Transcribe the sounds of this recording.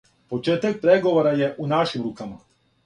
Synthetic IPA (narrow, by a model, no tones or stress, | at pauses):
po̞t͡ʃeːt̪ak̚pɾeɡo̞ʋoɾaje̞ʔunaʃimɾuːkama